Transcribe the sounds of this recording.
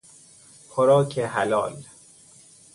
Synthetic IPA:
pʰoɾɔːkʰeɦælɒ̰ːl

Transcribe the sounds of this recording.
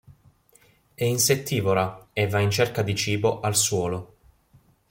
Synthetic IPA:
ɛinset̪ʰːiːvoɾaɛvːaint͡ʃerkad̪it͡ʃiːboʔalswɔːlo

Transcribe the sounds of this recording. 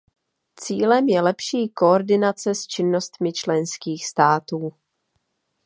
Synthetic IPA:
t͡siːlɛmjɛlɛpʃiːko̞oɾdɪnat͡sɛst͡ʃɪnːo̞st̪mɪt͡ʃlɛnskiːxst̪aːt̪uː

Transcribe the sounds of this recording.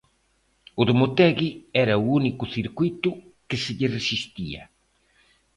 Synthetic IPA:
ʊðomot̪ɛɣiɛɾɐuunikʊθiɾkwuit̪ʊkɪsɪʎɪresist̪iɐ̰

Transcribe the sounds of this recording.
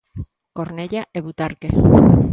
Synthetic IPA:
koɾneʎaeβut̪aɾke

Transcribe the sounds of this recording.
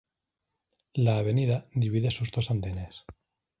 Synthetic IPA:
laːβe̞niðad̪iβiðesuzðo̞sand̪e̞ne̞s

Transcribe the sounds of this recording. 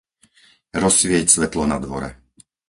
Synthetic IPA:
ɾɔsʋɪɛcsʋɛt̪lɔnad̪ʋɔɾɛ̰

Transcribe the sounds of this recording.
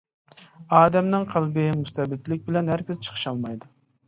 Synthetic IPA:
ɑːd̪ɛmnɨŋqʰælˠbɪmust̪ɛbɪt̪lɪk̚ʲbɪlɛnhæɾkʲɪzt͡ʃʰə̥χʰə̥ʃɑlˠmɑjd̪u

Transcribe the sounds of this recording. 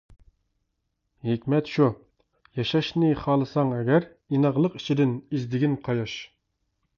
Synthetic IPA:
ɦikʲmɛt̪ʃu | jɑʃɑʃnɪχɑːlˠɨsɑŋɛɡʲæɾ | inɑʁlˠəqi̥t͡ʃʰid̪ɪnizd̪ɪɡʲɪnqʰɑjɑʃ

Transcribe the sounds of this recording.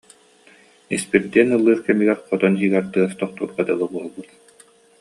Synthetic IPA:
ispiɾd̪iɛnɯlˠːɯːɾkɛmiɡɛɾqɔt̪ɔnɦiːɡɛɾt̪ɯɐst̪ɔχt̪uːɾqɑd̪alˠbuɔlˠbut̪

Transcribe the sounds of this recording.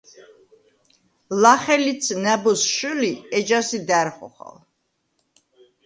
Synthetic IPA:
laχɛlit̪sʰnɛbɔsʃuliɛd͡ʒasid̪æɾχɔ̰χa̰l

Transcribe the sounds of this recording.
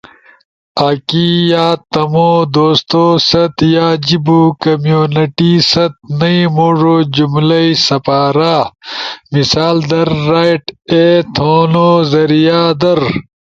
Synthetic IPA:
aːkiːjaːt̪ɐmoːd̪oːst̪oːsɐt̪jaːd͡ʑibuːkɐmjoːnɐʈiːsɐt̪̚nɐimoːʐoːd͡ʑumlɐisɐpaːɾaː | misaːld̪ɐɾːaːiʈeːt̪ʰoːnoːzɐɾijaːd̪ɐɾ

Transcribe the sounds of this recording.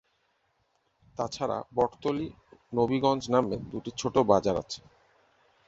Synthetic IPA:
t̪at͡ɕʰaɾa̰bɔʈt̪oli | nobiɡɔnd͡ʑnamed̪uʈit͡ɕʰoʈobad͡ʑaɾa̰t͡ɕʰe̥

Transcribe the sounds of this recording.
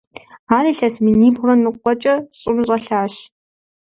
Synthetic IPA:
aːriːɬɐsmɨniːbʁrɐnɨqʷʼɔt͡ʃʼɐɕʼɪmɕʼɐɬaːɕ

